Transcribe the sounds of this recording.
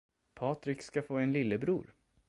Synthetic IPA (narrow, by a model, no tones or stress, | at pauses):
pʰɑːt̪ɾɪkskafoːɛnlɪlːəbɾṵːɾ